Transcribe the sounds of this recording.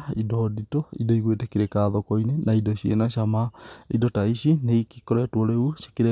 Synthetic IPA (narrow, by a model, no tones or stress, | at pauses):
idɔditoḭdoiɣwetekeɾekaːðokoinenaidoɕiḛnaʃamaidotaiɕineikikoɾɛtwoɾeuʃe̥keɾe